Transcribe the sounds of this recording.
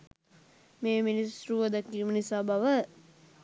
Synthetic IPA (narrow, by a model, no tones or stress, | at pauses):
meːminisɾuʋəd̪əkːiːmənisaːbaʋə